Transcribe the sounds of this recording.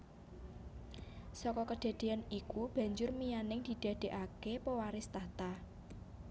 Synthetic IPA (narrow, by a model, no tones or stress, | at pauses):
sɔkɔkəɖ̪̥e̤d̪̥e̤anikub̥a̤ɲd͡ʒʊrmijanɪŋd̪̥i̤d̪̥e̤ɖ̪̥e̤ʔakepəwaɾɪst̪at̪a